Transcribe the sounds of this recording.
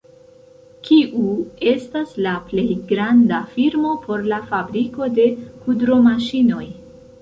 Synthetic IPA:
kiʔue̞staslaple̞jɡɾandafiɾmo̞pʰo̞ɾlafabɾiko̞de̞kudɾo̞maʃino̞j

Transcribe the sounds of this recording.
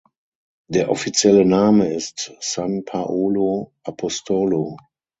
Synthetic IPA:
d̥eːɐʔɔ̰fit͡sjɛlənaːməɪstsanpʰaʔoːloʔapʰɔstʰolo

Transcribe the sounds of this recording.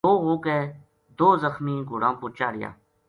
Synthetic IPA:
oːɦõːkɛː | d̪oːzəxmĩːɡʱʊɽãːpʊːt͡ʃaːɾɪja̰ː

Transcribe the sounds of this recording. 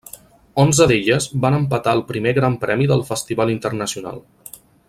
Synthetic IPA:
ɔnzəðeʎəzbanəmpət̪aəlˠpɾimeɣɾampɾɛmiðəlˠfəst̪iβalint̪ərnəsiuna̰lˠ

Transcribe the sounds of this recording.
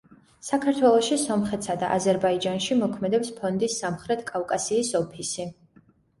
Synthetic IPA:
sakʰaɾt̪ʰwɛlˠɔʃisɔmχɛt̪sad̪a̰ʔazɛɾbaid͡ʒanʃimɔkʰmɛd̪ɛpspʰɔnd̪isamχɾɛt̪ʰkʼafkʼasiːsɔpʰisi

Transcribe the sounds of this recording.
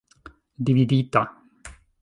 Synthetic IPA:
d̪ivid̪it̪a

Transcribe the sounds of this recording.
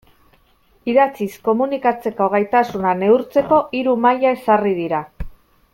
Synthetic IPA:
iðat͡sisko̞munikat͡se̞koɣ̞ejt̪asunane̞uɾt͡se̞ko̞ʔiɾumajae̞sariðiɾa

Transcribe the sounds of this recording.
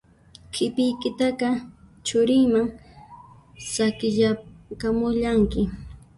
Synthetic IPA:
kʰɪpɪjkɪt̪aqɑ | t͡ʃʊɾɪŋmaŋ | sakɪʎakamʊʎaŋkɪ

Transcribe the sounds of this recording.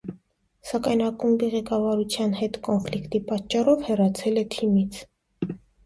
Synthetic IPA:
sɑkɑjnɑkumbiʁɛkɑvɑɾut͡sʰjɑnhɛt̪kɔnflikt̪ipɑt͡ʃːɑrɔvhɛrɑt͡sʰɛlɛt̪ʰimit͡sʰ

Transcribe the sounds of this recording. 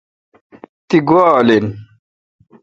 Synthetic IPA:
t̪iɡwaːlen

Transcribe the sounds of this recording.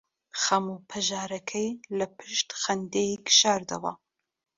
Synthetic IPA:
xɐmupʰɐʒaːɾɐkʰɛjlɐpʰɨʃt̪xɐnd̪ejikʃaːɾd̪ɐ̰wɐ̰

